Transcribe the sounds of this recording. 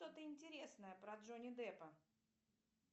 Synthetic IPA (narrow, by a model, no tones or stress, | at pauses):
t̪ot̪əɪnʲtʲɪɾʲe̞snəjəpɾɐd̪ʐonʲɪd̪ɛpə